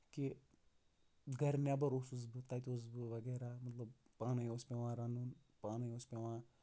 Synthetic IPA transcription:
ki | ɡɐɾnebɐɾosusbɨt̪ɐt̪ʲoːsbɨʋɐɡeːɾaːmɐt̪lɐb | paːnɐjospeʋãːɾɐnun | paːnɐjoːspeʋãː

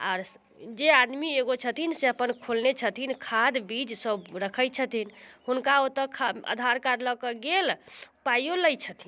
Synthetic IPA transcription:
a̰ɾ | d͡ʒead̪mieɡot͡ʃʰət̪ʰinseəpənkʰolnet͡ʃʰət̪ʰinkʰad̪bid͡ʒsəbɾəkʰəjt͡ʃʰət̪ʰinhunkaot̪əkʰaə̰d̪ʱaɾkaɾləkəɡelpajoləjt͡ʃʰət̪ʰin

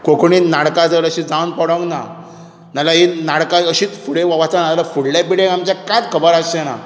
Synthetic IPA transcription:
kokɳinaɽkat͡səɾəɕid͡zawənpɔɽəŋɡna | nalaɦinaɽkaəɕiːt͡sfuɽeʋaʋat͡sanaalafuɽlabiɽeamt͡ɕjakãt̪kʰəbəɾasena̰

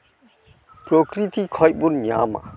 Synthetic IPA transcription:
pɾokɾit̪ʰikʰɔjbunɲa̰ma̰

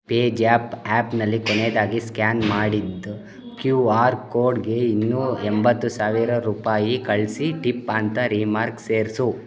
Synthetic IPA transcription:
peːd͡ʒaːpaːpnɐlːikoneːd̪aːɡiskaːnmaːɽid̪ | kjuːaːɾkoːɾɖɡe̞inːuːembɐt̪ːusaːʋiɾɐɾuːpaːjikɐɭsiʈipɐnt̪ɐɾimaːɾkseːɾsu

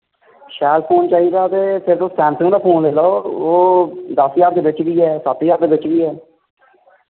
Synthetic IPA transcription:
ʃɛːlpʰoːnt͡ʃaːiːd̪aːt̪eːpʰɪɾt̪õːsʈɛ̃ːmsɪ̃ŋd̪aːpʰoːneloːoːd̪əsijaːɾ̚d̪eːbɪt͡ʃɡiːɛːsət̪ːijaːɾd̪eːbɪt͡ʃɡiːɛː

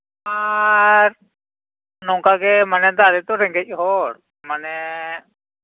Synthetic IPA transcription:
aɾ | nɔŋkakɛmanɛd̪aɾɛt̪ɔɾɛŋɡɛcɦɔɽ | manɛ

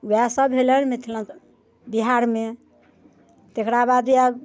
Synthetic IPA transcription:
wasəbʱelənmet̪ʰilə̃n | biɦaɾme | t̪ekɾabad̪a

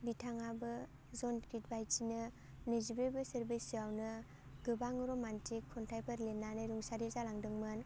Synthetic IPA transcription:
bitʰaŋabɯ | zɔnkɾitbajtʰinɯ | nɯzibebɯseɾbisiawnɯ | ɡɯbaŋɯɾɔmantʰikʰːɔntʰajpʰaɾlenːanɯɾuŋsaɾizalaŋdɯŋmɯn

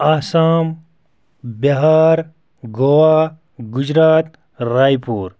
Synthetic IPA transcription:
aːsaːm | bɐɦaːɾ | ɡowaː | ɡud͡ʑɾaːt̪ | ɾaːjpuːɾ

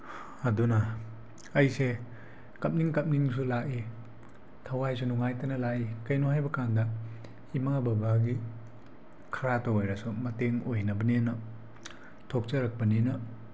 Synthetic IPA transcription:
ɐdunɐ | ɐjse | kɐp̚niŋkɐp̚niŋs̬ulaki | tʰɐwajs̬unuŋajtɐnɐlakikɐjnohajbɐkandɐ | imabɐbaɡi | kʰɐɾatoojɾɐsumɐteŋojnɐbɐnenɐ | tʰok̚t͡ʃɐɾɐk̚pɐninɐ

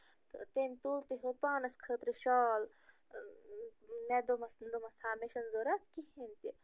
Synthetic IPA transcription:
t̪ɨt̪ent̪ult̪iɦopaːnɐskʰət̪ɾiʃɔːl | ned̪omɐsnd̪omɐst̪ʰaːmeʃɐnzoɾɐt̪kihent̪i

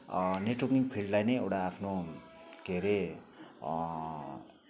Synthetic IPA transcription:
neʈokniŋpʰilɖlajnʌjewʈaːpʰno | ɡ̥ʱeɾe

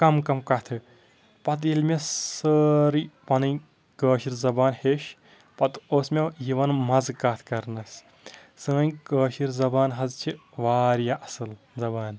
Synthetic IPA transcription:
kɐmkɐmkɐt̪ʰɨ | pɐt̪̬ilʲmʲesəːɾipɐnɨ | kəːʃiɾzɐbaːnheːʃ | pɐt̪oːsmʲejiʋɐnmɐzkaːt̪ʰkɐɾnɐs | sə̃ːjkəːʃiɾzɐbaːnɦɐzt͡ʃʰi | ʋaːɾjaʔɐsɨl | zɐbaːn

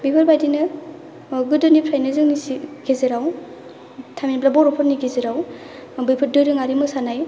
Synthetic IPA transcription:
bipʰɯɾbajdinɯ | ɡɯdɔnipʰɾajnɯzɯŋnisiɡʰezeɾaw | tʰaminplabɔɾɔpʰɔɾniɡezeɾaw | bɯjpʰɯɾ̚dɯjɾɯŋaɾimɯsanaj

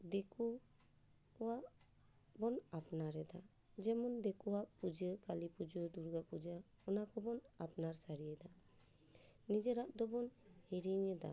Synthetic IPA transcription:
d̪ɛku | waʔ | bɔnapnaɾɛd̪a | d͡ʒɛmɔnd̪ɛkɔwaʔpud͡ʒəkalipud͡ʒəd̪uɾɡapud͡ʒa | ɔnakɔbɔnapnaɾsaɾiɛd̪a | nid͡ʒɛɾaʔd̪ɔbɔnheɾiɲəd̪a̰

